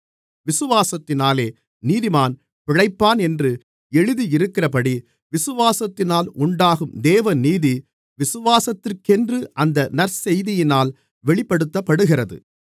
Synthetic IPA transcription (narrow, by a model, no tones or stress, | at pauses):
ʋɪsɯʋaːsɐt̪ːɪnaːleː | niːðimaːn | pɪɻɐɪpːaːnɛndrɯ | ɛɻɯðiɪɾɯkːɪrɐpɐɽi | ʋɪsɯʋaːsɐt̪ːɪnaːlʊɳɖaːɣɯmd̪eːʋɐniːði | ʋɪsɯʋaːsɐt̪ːɪrkɛndrɯʔɐnd̪ɐnɐɾsɛjðɪjɪnaːl | ʋɛɭɪpːɐɽɯt̪ːɐpːɐɽɯɣɪrɐðɯ̰